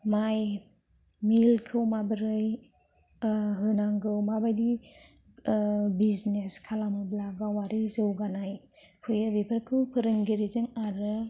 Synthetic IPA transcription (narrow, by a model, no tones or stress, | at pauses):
maj | milkʰɯwmabəɾɯj | ɦɯnaŋɡɯwmabajdi | bizneskʰalamablaɡawaɾizɯwɡanaj | pʰɯjɯbipʰəɾkʰɯwpʰɯɾɯŋɡiɾizɯŋaɾɯ